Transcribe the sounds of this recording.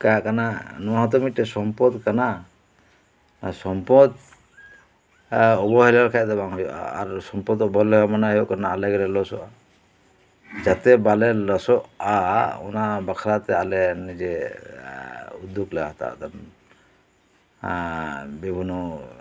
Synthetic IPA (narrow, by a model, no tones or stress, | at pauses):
kakananɔɦat̪ɔmiʈɛsɔmpɔd̪kana | asɔmpɔd̪ | ɔbɔɦɛlaɾkʰajt̪ɛbaŋɦj̰a̰ɾsɔmpɔd̪ɔbɔɦlɔkamanaɦokanaːlaɡɛlɛlɔsɔa | d͡ʒat̪ɛbalɛlɔsɔaɔ̰nabakʰɾat̪ɛalɛnid͡ʒɛ | ud̪ːuklɛa̰ɦt̪a̰t̪an | bibʱunɔ